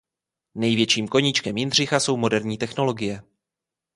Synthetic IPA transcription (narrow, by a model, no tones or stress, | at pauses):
nɛjvjɛt͡ʃiːmko̞ɲit͡ʃkɛmjɪnr̝ɪxaso̞wmo̞dɛɾɲiːt̪ɛxno̞lo̞ɡɪjɛ